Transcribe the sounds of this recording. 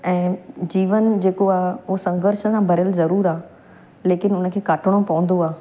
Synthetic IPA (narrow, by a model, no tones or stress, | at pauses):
ɛ̃ːd͡ʑiːʋənd͡ʑeːkoaːɦʊɦsɐ̃ŋɡəɾʃəsãbʱɐɾɪjəlzɐɾuːɾaːɦ | leːkɪnʊnə̆kʰeːkaːʈʰɪɽ̃opɐʋə̃nd̪oaːɦ